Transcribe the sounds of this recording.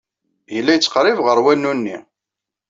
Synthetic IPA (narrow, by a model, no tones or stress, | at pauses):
jəlːæjət͡sːə̥qɾˤivʁəɾˤwænːunːi